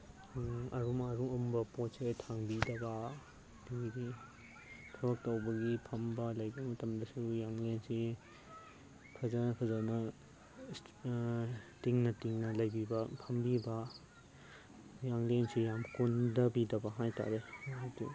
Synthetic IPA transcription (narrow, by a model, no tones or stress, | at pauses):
ɐɾumaɾuumbɐpotsetʰaŋbidɐbɐ | diɾi | tʰɐbɐk̚tɐwbɐɡipʰɐmbɐlɐjbɐmɐtɐmdɐsujaŋlensi | kʰɐzɐnɐkʰɐzanɐ | tiŋnɐtiŋnɐlɐjbibɐpʰɐmbibɐ | jaŋlensijamkundɐbidɐbɐɦajta̰ɾenajti